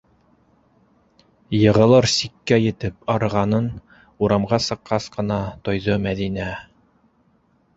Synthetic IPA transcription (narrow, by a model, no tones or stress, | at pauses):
jɤ̆ʁɤ̆lˠɤɾsikːæjɘ̆t̪ɘpɑɾɤ̆ʁɑnɤn | uɾɑmʁɑsɤ̆qːɑsqɤ̆nɑt̪ojðomæðinæ